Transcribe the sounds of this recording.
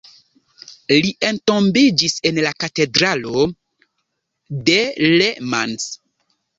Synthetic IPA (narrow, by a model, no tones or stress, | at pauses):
liʔe̞nto̞mbid͡ʒise̞nlakate̞dɾalo̞ | delema̰ns